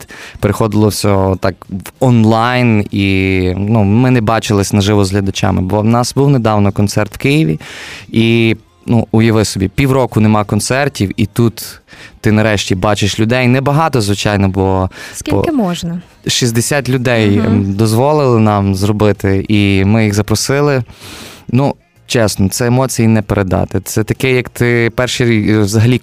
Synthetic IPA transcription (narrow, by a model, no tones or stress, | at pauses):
peɾexɔd̪ɪlˠɔwsʲɔt̪ɑkʋɔnlˠɑjninumɪnɛbɑt͡ʃɪlˠɪsʲnɐʒɪʋɔzɦlʲɐd̪ɐt͡ʃa̰mɪ̰bɔnɑsbuwned̪ɑwnɔkɔnsɛrt̪wkɪjiʋʲii | nuʊjɐʋɪsɔbʲipʲiwɾɔkʊnemɑkɔnt̪sɛrtʲiwit̪ut̪ːɪnɐɾɛʃtʲibɑt͡ʃɪʃlʲʊd̪ɛjnɛbɐɦɑt̪ɔzʋɪt͡ʃɑjnɔbʊlˠɔspʲɔ̰ɪmɔʒnɐ | ʃizʲd̪esʲat̪ʲlʲʊd̪ɛjd̪ɔzʋɔlˠɪlˠɪnɑmzrɔbɪt̪ɪimɪjiɣzɐpɾɔsɪlˠɪ | nu | t͡ʃɛsnɔt̪sɛemɔt͡sʲijinɛpeɾʔed̪ɑ̰t̪ɪt̪sɛt̪ɐkɛjɐkt̪ɪpɛrʃiɾʲiʋzɐɦɐlʲi